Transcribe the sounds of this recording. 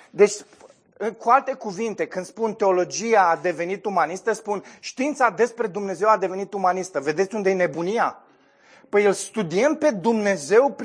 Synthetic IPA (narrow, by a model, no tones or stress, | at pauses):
d̪e̞t͡ʃʲ | ɨkualt̪e̞kuvint̪e̞kɨnd̪spunt̪e̞o̞lo̞d͡ʒijaːd̪e̞ve̞nit̪umanist̪əspunʃt̪int̪sad̪e̞spɾe̞d̪umne̞zewad̪e̞ve̞nit̪umanist̪əve̞d̪e̞t̪sʲund̪ejene̞bunija | pəjelst̪ud̪iempe̞d̪umne̞ze̞wp